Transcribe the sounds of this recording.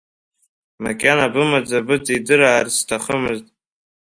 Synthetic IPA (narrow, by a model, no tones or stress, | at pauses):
makʲʼanabɨmad͡zabɨd͡zidɨɾaːrstʰaχəmɨztʼ